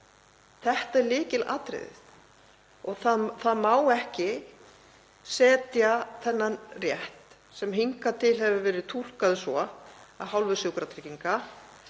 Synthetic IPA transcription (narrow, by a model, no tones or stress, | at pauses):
θɛht̪aɛɾlɪːcɪla̰ːt̪ɾɪ̰ːðɪ̰θ | ɔɣθaðθaðmaːwɛhcɪ | sɛːt̪jaθɛnːanrjɛht̪ | sɛmɦiŋkat̪ʰɪlɦɛvʏvɛːɾɪðt̪ʰul̥kaðʏsvɔaðɦawlvʏsjowkɾat̪ʰɾɪciŋka